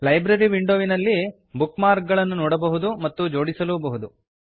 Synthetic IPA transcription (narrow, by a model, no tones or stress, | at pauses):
lɐjbɾɐɾiʋiɳɖoːʋinɐlːi | bukmaːɾk̚ɡɐɭɐnːunɔːɽɐbɐɦud̪umɐt̪ːud͡ʒo̞ːɽisɐluːbɐɦud̪u